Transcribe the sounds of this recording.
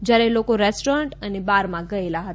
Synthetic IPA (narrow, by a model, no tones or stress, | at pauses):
d͡ʒjaɾɛlokoɾɛsʈoɾəɳʈənebaɾmãɡəelaɦət̪